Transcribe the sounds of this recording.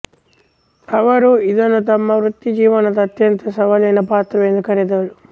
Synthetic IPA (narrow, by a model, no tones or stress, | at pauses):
ɐʋɐɾuid̪ɐnut̪ɐmːɐʋɾut̪ːid͡ʒiːʋɐnɐt̪ɐt̪jɐnt̪ɐsɐʋɐlɐjnɐpaːt̪ɾɐʋɛːnɐkɐɾɐd̪ɐlu